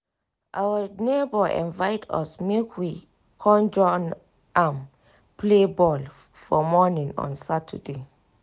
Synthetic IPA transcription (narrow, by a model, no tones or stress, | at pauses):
ʔawənebɔʔɛ̰̃nvaɪtʰɔ̰smekʰwi | kʰɔ̃nd͡ʒɔ̃n | ʔãm | plebɔl | fɔmɔnĩŋɔ̰̃nsatʰə̰de